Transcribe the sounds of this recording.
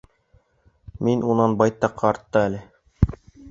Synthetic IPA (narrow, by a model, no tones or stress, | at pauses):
minunɑnbɑjt̪ːɑqːɑːɾt̪ːɤælɘ